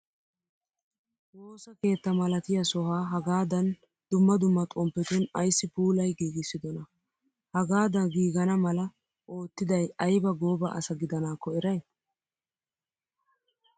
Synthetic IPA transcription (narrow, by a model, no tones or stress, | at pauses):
wo̞ːsɐke̞ːt̪ːɐmɐlɐt̪ɪjɐsɔɦaːɦɐɡaːd̪ɐn | d̪̥ʊmːɐd̪ʊmːɐt̪ʼɔmpːɛt̪ʊnɐjsːɪpuːlɐjɡiːɡɪsːɪd̪ɔnɐ | hɐɡaːd̪ɐɡiːɡɐnɐmɐlɐ | ʔo̞ːt̪ːɪd̪ɐjɐjbɐɡo̞ːbɐ̰ʔɐ̰sɐɡɪd̪ɐnaːkːɔɛɾɐj